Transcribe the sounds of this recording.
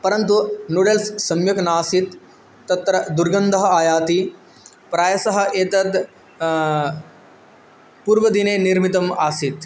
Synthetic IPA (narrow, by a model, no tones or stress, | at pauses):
pɐɾɐnt̪unuɽelssɐmjɐknaːsit̪ː | ɐt̪ɾɐd̪uɾɡɐnd̪ɐɦɐaːjaːt̪i | pɾaːjɐsɐɦɐ̆ʔeːt̪ɐd̪ | puːɾʋɐd̪ineːniɾmit̪ɐmaːsit̪